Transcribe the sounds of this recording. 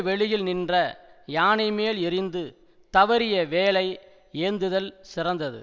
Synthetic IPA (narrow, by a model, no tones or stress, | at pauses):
ʋɛɭɪjɪlnɪndrɐjaːnɐɪmeːlɪrɪnd̪ɯ | t̪ɐʋɐɾɪjɐʋeːlɐɪ | eːnd̪ɯðɐlsɪrɐnd̪ɐðɯ̰